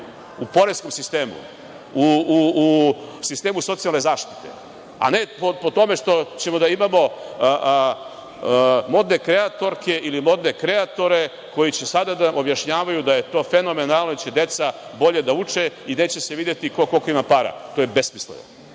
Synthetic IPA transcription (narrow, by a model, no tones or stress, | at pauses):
upo̞ɾesko̞msist̪e̞ːmṵ | u | sist̪e̞ːmuso̞t̪sialne̞zaːʃt̪i̥t̪e̞̰ | a̰ne̞popot̪o̞me̞ʂt̪o̞t͡ɕe̞mo̞d̪aimamo̞ | mo̞d̪ne̞kɾeat̪o̞ɾke̞ʔilimo̞d̪ne̞kɾe̞at̪o̞ɾe̞ | ko̞jit͡ɕesad̪ad̪aʔobjaʃɲaːʋajud̪aje̞t̪o̞ːfe̞no̞me̞nalˠnot͡ɕe̞d̪e̞t̪sabo̞ʎed̪aut͡ʂeine̞ːt͡ɕe̞seʋiːd̪jet̪ikokolkoimapaɾa̰t̪ojebesmislḛʋo̰